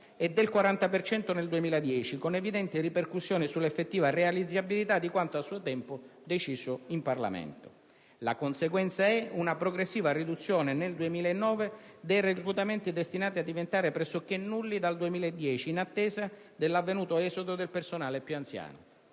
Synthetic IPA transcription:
ɛd̪ːelkwaɾant̪apert͡ʃɛnt̪oneld̪uemiːlad̪jɛːt͡ʃikonevid̪ɛnt̪iriperkusːjoːnisulːefːet̪ːiːvarealid̪zːabilit̪ad̪ːikwant̪oasːuːot̪ɛmpod̪et͡ʃiːzoimparla̰meɛ̰nt̪o̥ | la̰konseɡwɛnt̪saɛunapɾoɡɾesːiːvarid̪ut̪sːjoːneneld̪uemiːlaenːɔːved̪ejrekɾut̪ament̪id̪est̪inaːt̪iad̪ːivent̪aːɾepɾɛsːok̟enːulːid̪ald̪uemiːlaed̪ːjɛːt͡ʃiːnat̪ːɛːza | d̪elːavːenuːt̪oɛzod̪od̪elpersonaːlepjuant̪sja̰ːno

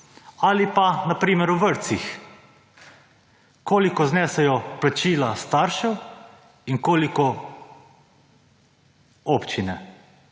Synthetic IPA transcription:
alipanapɾiːmɛɾuʋəɾt̪six | koːlikɔznɛːsɛjɔplat͡ʃiːlast̪aːɾʃɛw | iŋkoːlikɔ | opt͡ʃinɛ

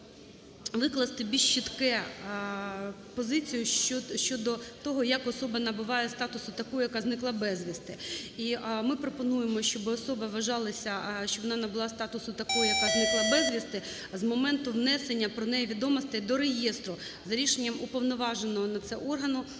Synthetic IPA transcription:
ʋɪklˠɐst̪ɪbʲilʃt͡ʃːit̪kɛ | pɔzɪt͡sʲijʊʃt͡ʃɔd̪ɔt̪ɔɦɔjɐkɔsɔbɐnɐbʊʋɑjɛst̪ɑt̪ʊsʊt̪ɐkɔɦɔjɐkɑznɪklˠɑbɛzʲʋʲist̪ɪimɪpɾɔpɔnujemɔʃʲt͡ʃɔbɪɔsɔbɐʋɐʒɑlˠɐsʲɐʃt͡ʃɔbʋɔnɑnɐbɪlˠɑst̪ɑt̪ʊsʊt̪ɐkɔɦɔjɐkaznɪklˠɐbɛzʋʲist̪ɪ | zmɔmɛnt̪ʊʋnɛsenʲːɐpɾɔnɛjɛʋʲid̪ɔmɔst̪ɪd̪ɔɾejest̪ɾʊ | zɐɾʲiʃenʲːɐmʊpɔʋnɔʋɑʒenɔɦɔnɐt̪sɛʔɔrɦɐnʊ

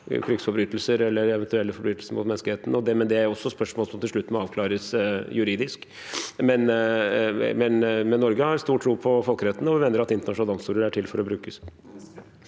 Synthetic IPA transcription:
kʰɾɪksfɔɾbɾyːt̪əlsəɾɛlːəɾɛʋɛnt̪ʉɛlːəfɔbɾyːt̪əlsəmʊ̰ːt̪mɛnsklɪeːt̪ənɔd̪ɛmɛnd̪ɛæɾjɔsːɔspœʂmoːləsɔmt̪ʰɪlʂɭʉt̪ːmɔɑːʋkʰlɑːɾəsjʉɾiːd̪ɪsk | mɛn | mɛnmɛnːɔɾɡəhɑɾst̪uːʈʰːɾuːpʰɔfɔlkəɾɛt̪ːənəɔʋɪʋɛnəɾɑt̪ɪnt̪əɳɑʂʊnɑlɑnst̪uːɾəɾæʈʰɪlfɔɾɔbɾʉːkəs

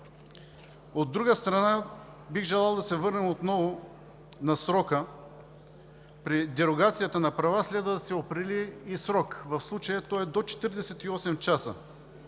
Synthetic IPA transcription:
od̪ːɾuɡəst̪ɾɐna | biɣʒɛlˠalˠd̪ɐsɛvɤɾnɛmot̪nɔvo | nɐsɾɔkə | pɾid̪ɛɾoɡat̪sijət̪ənɐpɾɐvaslɛd̪vət̪sɛopɾiliːsɾɔkvɐfslˠut͡ʃəjət̪ɔɛd̪ot͡ʃɛ̥t̪iɾd̪ɛsɛt̪iɔsɛmt͡ʃasə̰

